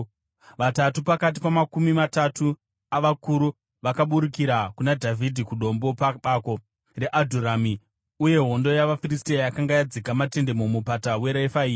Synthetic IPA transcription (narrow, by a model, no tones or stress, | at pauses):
ʋatatupakat̬ipamakumimatatu | aʋakuɾu | ʋakaɓuɾikiɾakunadʱavʱidʱikuɗo̞mbo̞paɓako̞ | re̞ʔadʱuɾami | uje̞ɦo̞ndo̞jaʋafiristiajakaŋɡajad͡zikamate̞nde̞momupatawe̞ɾaifaiː